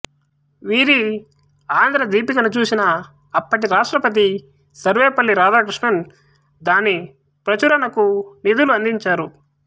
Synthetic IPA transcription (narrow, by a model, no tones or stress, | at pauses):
ʋiːɾi | aːnd̪ʱɾɐd̪iːpikɐnut͡ʃuːsinɐː | pːɐʈiɾaːʂʈɾɐpɐt̪̬i | sɐɾʋeːpɐlːiɾaːd̪aːkɾiʂɳɐn | d̪aːni | pɾɐt͡ʃuɾɐnɐkunid̪uluɐnd̪iɲt͡ʃaːɾu